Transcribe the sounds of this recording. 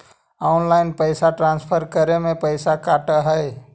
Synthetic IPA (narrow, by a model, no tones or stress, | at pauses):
aːʊnlaːɪnpəɪsaʈɾãːnspʰəɾkəɾemẽpəɪsakaːʈəɦə